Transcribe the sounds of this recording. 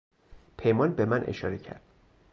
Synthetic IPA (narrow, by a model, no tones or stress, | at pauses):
pʰejmɒːnbemænʔḛʃɒ̰ːɾecʰæ̰ɾd̪̥̚